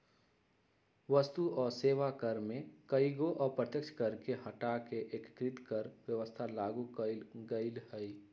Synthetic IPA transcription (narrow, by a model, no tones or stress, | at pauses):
ʋəst̪uʔɔːɾseːʋakəɾmẽkəiɡoʔɔːɾpɾət̪jəkt͡ʃʰkəɾkeɦɐʈakeʔekkɾɪt̪kəɾwjəʋəst̪ʰalaːɡukɡəɪlhɛi